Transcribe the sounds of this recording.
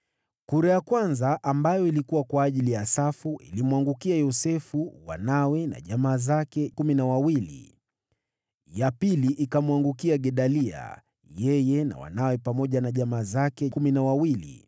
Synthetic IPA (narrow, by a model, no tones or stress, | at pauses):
kuɾajakwanzaʔambajɔilikuwakwaːʄilijasafuʔḭlimwaŋɡukiajɔsɛfuwa̰nawɛna̰ʄamaːzakɛkuminawawilḭ | japiliʔikamwaŋɡukiaɠɛɗalia̰ | jɛjɛna̰wa̰nawɛpamɔʄanaʄamaːzakɛkuminawawilḭ